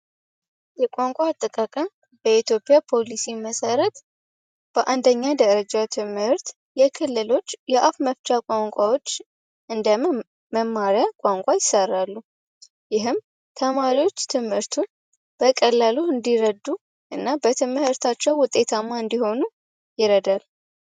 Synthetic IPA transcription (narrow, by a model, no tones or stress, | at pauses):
jɛkʷʼaŋkʷʼat̪ʼːɨkʼakʼa | bəit̪jo̞pʼjapʰo̞lisiməsəɾət̪ | b̥əʔand̪əɲːad̪əɾəd͡ʒat̪ʰɨmhɨɾt̪ | jɛkʰɨlːɨlo̞t͡ʃːjɛʔafməft͡ʃʼakʷʼaŋkʷʼawo̞t͡ʃː | ʔɨnd̪ə | məmːaɾijakʷʼaŋkʷʼajɪsərːalːu | jɪɦɨm | t̪ʰəmaɾiwo̞t͡ʃːt̪ʰɨmhɨɾt̪ʰu | b̥əkʼəlːaluɨnd̪iɾəd̪u | ʔɨnːabət̪ʰɨmhɨɾt̪ʰat͡ʃːɛwwʊt̪ʼːe̞t̪ʰamːaɨnd̪iho̞nu | jɪɾəd̪al